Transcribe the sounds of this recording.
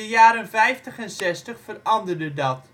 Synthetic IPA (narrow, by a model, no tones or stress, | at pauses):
əjaːɾənfɛjftəχɛnsɛstəχfərɑndərdədɑt